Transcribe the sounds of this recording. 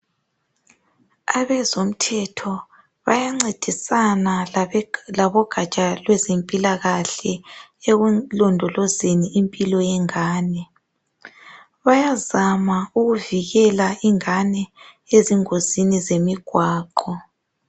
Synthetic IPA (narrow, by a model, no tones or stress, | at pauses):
aβɛzom̩tʰɛtʰɔ | βajaŋ͡ǀed̥ʱisana | laβɔɡ̥ʱat͡ʃʼalwɛzempʼilaɣaɬɛeɣulɔndʱɔlɔzeniːmpʼilɔjɛŋaːnɛ | βajazamauɣuviɣɛlaiŋanɛ | eziŋozinizemiɡ̥ʱwaːǃɔ